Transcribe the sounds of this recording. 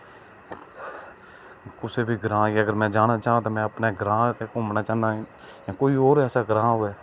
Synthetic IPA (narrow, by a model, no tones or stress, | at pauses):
kʊseːbʱiːɡɾãːiːəɡəɾmɛ̃ːd͡ʒaːnaːt͡ʃaːãt̪aːmɛ̃ːəpneːɡɾãːk̪eːkoːmnaːt͡ʃaːnd̪aːɦː | jãːkoːioːɾɛːsaːɡɾãːɦʊɛː